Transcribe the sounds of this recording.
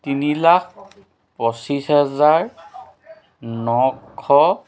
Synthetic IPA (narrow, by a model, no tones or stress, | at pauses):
tinilak̚ʰ | pɔsisɦɛzaɹ | nɔkʰːɔ